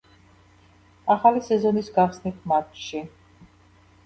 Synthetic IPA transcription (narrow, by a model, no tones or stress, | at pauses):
aχalisɛzɔnisɡaχsnit̪̚ʰmat̪ʃi